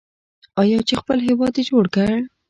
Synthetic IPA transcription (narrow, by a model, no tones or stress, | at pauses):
ɑjɑt͡ʃexpəlɦewɑd̪ed͡ʒoɽkəɽ